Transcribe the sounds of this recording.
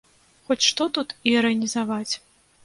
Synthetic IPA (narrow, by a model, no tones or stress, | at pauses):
xɔt͡sʲʂt̪ɔt̪ut̪iɐɾɐnʲizavat͡sʲ